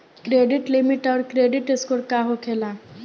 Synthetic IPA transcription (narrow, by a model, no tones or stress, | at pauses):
kɾeːɖɪʈlimɪʈɔːɾkɾeːɖɪʈeskoɾkaɦokʰelaː